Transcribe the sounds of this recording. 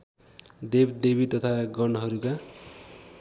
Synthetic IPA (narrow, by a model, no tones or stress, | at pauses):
d̪ebd̪ebit̪ʌt̪ʰaɡʌnʌɦʌɾuka